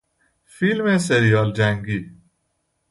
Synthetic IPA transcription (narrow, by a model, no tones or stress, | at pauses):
fiːlmẽseɾijaːld͡ʒãːŋɡiː